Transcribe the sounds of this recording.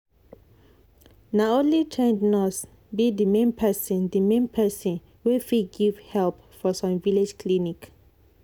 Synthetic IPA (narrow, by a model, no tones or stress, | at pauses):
naolitʰẽndnɔs | bidəmẽnpʰɛsɔ̃ndəmẽnpʰɛsɔ̃n | wufiɡivhɛlp | fɔsɔ̃mviled͡ʒkʰlinik